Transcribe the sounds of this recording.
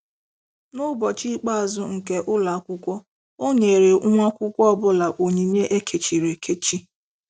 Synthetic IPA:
nʊ˦bɔ˨t͡ʃi˦k͡pa˦a˨zʊ˦ŋ̩˨ke˦ʔʊ˦la˨a˦kʷʊ˦kʷɔ˦ | o˦ɲe˨ɾe˨˦ŋʷa˦kʷʊ˦kʷɔ˦ɔ˦bʊ˦la˨ʔo˨ɲi˨ɲe˦ʔe˦kʰe˨t͡ʃi˨ɾe˨kʰe˦t͡ʃi˦

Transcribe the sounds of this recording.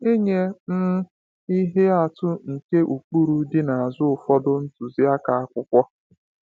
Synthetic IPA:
e˦ɲe˦m̩˦ | i˦ɦe˦a˨tʊ˦ŋ̩˨ke˦ʔu˨k͡pu˦ɾu˦dɪ˦na˨a˨zʊ˦ʊ˨fɔ˦dʊ˦n̩˦tu˨zi˦a˦ka˨a˦kʷʊ˦kʷɔ˦

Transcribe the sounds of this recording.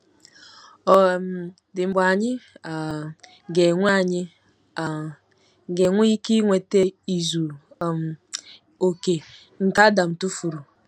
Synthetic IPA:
ɔ˨m˨ | dɪ˨ŋ͡m̩˨ɡ͡ba˨ɲɪ˦a˨ | ɡe˨ŋʷ˦a˦˨ɲɪ˦ | a˨ | ɡe˨ŋʷu˦i˦ki˦ŋʷe˨te˦i˨zu˨ | m˨ | o˨ke˨ | ŋ̩˨ka˦da˨m̩˨tu˦fu˨ɾu˨

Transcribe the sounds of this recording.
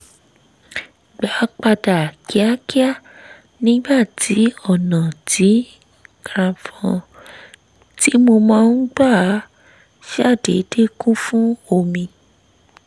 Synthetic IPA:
ɡ͡ba˨˦k͡pa˧da˨ki˨˦a˦ki˦a˦˨ | nĩ˨˦ɡ͡ba˦˨tʰi˨˦ɔ˦˨nã˨tʰi˨˦ | kɾã˨fɔ̃˧ | ti˦mo˧mãː˦˧˦n̩˦ɡ͡ba˦˨˦ | ʃa˦˨dḛ˨˦de˦kũ˦fũ˦o˦˨mĩ˧

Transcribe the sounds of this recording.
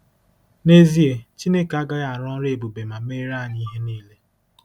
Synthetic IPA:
ne˦zi˦e˨t͡ʃi˦ne˦ka˦ɡa˦ɣa˨ɾɔ˦ɾe˨bu˨be˨ma˨me˦ɾa˦˨ni˦ɦe˦niː˦le˦

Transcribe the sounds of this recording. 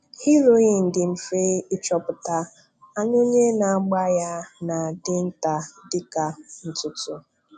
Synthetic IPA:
hi˦ɾo˦i˨n̩˨dɪ˨m̩˨fe˦ɪ˦t͡ʃɔ˦pʊ˨ta˦ | a˦ɲo˦ɲe˦na˨˦ɡ͡ba˦ja˦na˨dɪ˦n̩˦ta˨dɪ˦ka˨n̩˦tʊ˦tʊ˦

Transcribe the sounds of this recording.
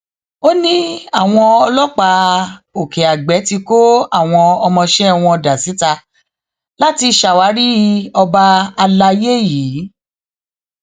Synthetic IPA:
o˦nĩ˦a˦˨w̃ɔ̃˧ɔ˧lɔ˦k͡pa˧o˨kɛ˨a˨ɡ͡bɛ˨˦ti˧ko˦a˦˨w̃ɔ̃˧ɔ˧mɔ̃˧ʃɛ˦ɔ˧w̃ɔ̃˧da˨si˨˦ta˧ | la˦ti˧ʃa˨wa˨˦ɾi˦˧˦ɔ˧ba˧a˧la˧je˦jiː˨˦

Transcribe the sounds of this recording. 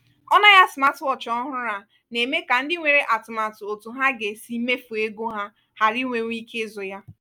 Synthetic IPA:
ɔ˦na˦ja˦sma˦twɔ˦t͡ʃɔ˦ɦʊ˦ɾa˦ | ne˨me˦ka˨n̩˦dɪ˦ŋʷe˨ɾe˨ʔa˨tʊ˨ma˨tʊ˨o˨tu˨ɦa˦ɡe˨si˨˦me˦fu˨e˦ɡu˦ɦa˦ | ha˨ɾi˦ŋʷe˨ŋʷ˦i˦ke˦zʊ˨ja˦

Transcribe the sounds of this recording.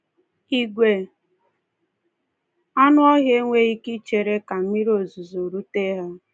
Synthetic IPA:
i˨ɡʷe˨ | ɔ˦nʊ˦ɔ˦ɦje˦ŋʷe˦i˦ki˦t͡ʃe˨ɾe˦ka˨m̩˦mi˦ɾi˦o˨zu˨zo˨ɾu˦te˦ɦa˦

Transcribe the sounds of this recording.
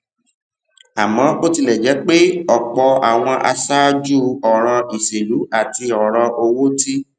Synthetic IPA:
a˨mɔ̃˨˦o˦ti˧lɛ˨d͡ʒɛ˨˦k͡pe˦ɔ˨k͡pɔ˧a˨w̃ɔ̃˧ʔa̰˧sa˦d͡ʒu˦ɔ˨ɾ̃ɔ̃˧i˨se˨lu˨˦a˦˨ti˧ɔ˨ɾɔ̃˧ʔo˧wo˦ti˦

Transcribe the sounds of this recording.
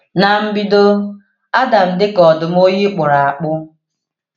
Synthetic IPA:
na˨m̩˦bi˦do˦ | a˦da˨m̩˨dɪ˦kɔ˨dʊ˨m̩˦o˦ji˦k͡pʊ˨ɾa˨a˨k͡pʊ˦

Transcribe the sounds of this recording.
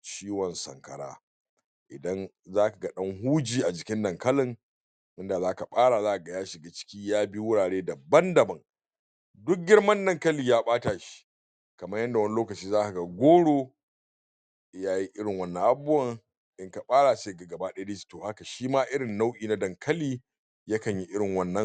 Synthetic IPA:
t͡ʃiː˦wɔ˨nsɐ̰˨ŋkɐ̰˨ɽa̰ː˦ | ʔɪ˨dɐ˦n | zaː˦ka˨ɡɐ˦ɗɐ˦ŋɦuː˦d͡ʒiː˨ʔa˨d͡ʒɪ˨kʲɪ˦ndɐ˨ŋkɐ˦lɪ˨ŋ | ʔɪ˦nda˨zaː˦ka˨ɓaː˦ɽaː˨zaː˦ʔa˨ɡɐ˨jaː˦ʃɪ˨ɡa˦t͡ʃɪ̥˦kʲiː˦jaː˦bi˦wʊ˦ɽaː˨ɽeː˦dɐ˨bɐ˦ndɐ˨bɐ˦ŋ | dʊ˦k̚ɡʲɪ˦ɽmɐ˦ndɐ˦ŋkɐ˦liː˨jaː˦ɓaː˦taː˨ʃi̥˦ | kɐ˨mɐ˦jɐ˦nda˨wɐ˦ni˦loː˦kɐ˨t͡ʃiː˦zaː˦ka˨ɡa˨ɡʷoː˦ɽoː˦ | jaː˦ji˦ʔɪ˦ɽɪ˨ŋwɐ˦nːɐ˨ŋʔa˦˨bːʊ˦ɐ˦˨ŋ | ʔɪ˦ŋka˨ɓaː˦ɽaː˨seː˦ɡa˨ɡɐ˨baː˦ɗe˦deː˦ʃi̥˨toː˨ha˦ka˨ʃiː˦maː˦ʔɪ˦ɽɪ˨nːa˦wʔiː˨na˦dɐ˨ŋkʰɐ˦liː˦ | jɐ˦kɐ˨ɲji˦ʔɪ˦ɽɪ˨ŋwɐ˦nːɐ˦ŋ

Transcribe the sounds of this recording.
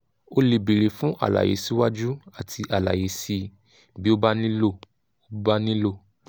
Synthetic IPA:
o˦li˨bi˨ɾe˨fũ˦ʔa̰˨la̰˨jḛ˨˦si˦wa˦d͡ʒu˦a˨tʰi˧ʔa˨la̰˨je˨˦si˧ | bi˦o˦ba˦nĩ˦lo˦˨ | o˦ba˦nĩ˦lo˦˨

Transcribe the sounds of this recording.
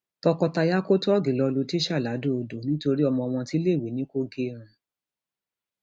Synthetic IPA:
tɔ˧kɔ˧ta˧ja˦ko˦tɔ˦ɔ˦ɡi˨lɔ˧lu˧ti˦ʃa˦˨la˨˦do˦o˧do˨˦nĩ˦to˧ɾi˦ɔ˧mɔ̃˧w̃ɔ̃˧ti˦le˦˨wi˨˦nĩ˦ko˦ɡe˧˦ɾ̃ũ˧

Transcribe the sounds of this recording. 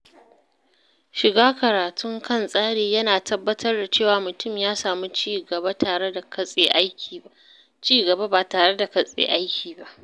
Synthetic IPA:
ʃɪ˨ɡaː˦kɐ˨ɾaː˨tʰʊ˦ŋkʰɐ˦˨nsʼaː˦ɽeː˨jɐ˦naː˨tʰɐ˦bːɐ˦tɐ˦rda˨t͡ʃeː˦˨waː˨mʊ˨tʊ˦˨mjaː˦saː˨mu˦t͡ʃiː˦˨ɡɐ˨ba˦tʰaː˨ɽe˦da˨kɐ˦sʼeː˦ʔa˦jkʲʰiː˨ | t͡ʃiː˦ɡɐ˨ba˦baː˨taː˨ɽe˦da˨kɐ˨sʼḛː˨ʔa˦jkʲiː˨ba˦ʔ

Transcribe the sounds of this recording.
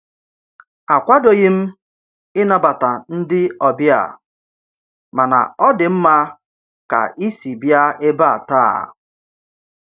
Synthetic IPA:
a˨kʷa˦do˨ɣɪ˦m̩˦ | ɪ˦na˦ba˨ta˨n̩˦dɪ˦ɔ˨bja̰˨ | ma˨na̰˨ɔ˦dɪ˨m̩˦ma˦ | ka̰˨ʔi˦si˨bja˦e˦ba˦a̰˨taː˦˨

